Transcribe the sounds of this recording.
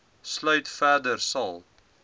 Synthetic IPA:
slœɥtfæːrdərsɐlˠ

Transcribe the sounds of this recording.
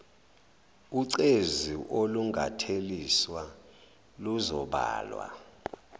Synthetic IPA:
uǀeziʔoluŋɡʱatʰeliswa | luzɔɓa̰ːlwa̰

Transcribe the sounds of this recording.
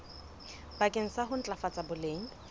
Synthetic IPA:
bakʼɪŋ̩saɦʊn̩t͡ɬʼafat͡sʼabʊleːŋ̩

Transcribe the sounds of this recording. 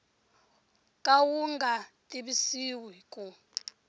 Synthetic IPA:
kʼawuŋɡʱatʼiβisiwikʼu

